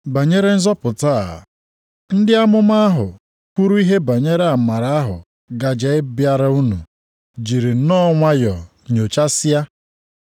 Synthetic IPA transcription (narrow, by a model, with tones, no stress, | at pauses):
ba˨ɲe˦ɾe˦n̩˦zɔ˦pʊ˨ta˦˨ | n̩˦dɪ˦a˦mʊ˦ma˦a˦ɦʊ˨ | ku˦ɾu˦i˦ɦe˦ba˨ɲe˦ɾe˦a˨ma˨ɾa˨˦a˦ɦʊ̰˨ | ɡa˨d͡ʒe˨˦ɪ˦bja˦ɾa˦u˦nṵ˨ | d͡ʒi˨ɾi˨˦nɔ˦ŋʷa˦jɔ˨ | ɲo˨t͡ʃa˦sɪ˦ja˦